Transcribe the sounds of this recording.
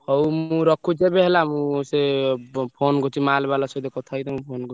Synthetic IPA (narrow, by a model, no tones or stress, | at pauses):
hɔwmũɾɔkʰːut͡ʃebeɦlamũsepʰonɡot͡ʃimalbalasɔd̪ekɔt̪ʰait̪ɔmũpʰonɡo